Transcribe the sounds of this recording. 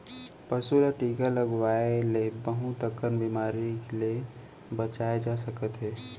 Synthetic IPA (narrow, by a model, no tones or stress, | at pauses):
pəsulaʈiːɡaləɡwaelebəɦut̪əkənbimaːɾikle | bət͡ʃaed͡ʒasəkət̪ɦɛː